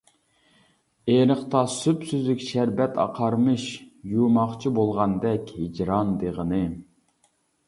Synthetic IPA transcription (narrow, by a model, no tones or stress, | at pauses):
eɾəχt̪ɑsypsyzlykʲʃæɾbɛt̪ʰɑ̰qʰɑɾmɨʃjumɑχt͡ʃʰibolˠʁɑnd̪ɛkʲhid͡ʒɾɑnd̪eʁənɨ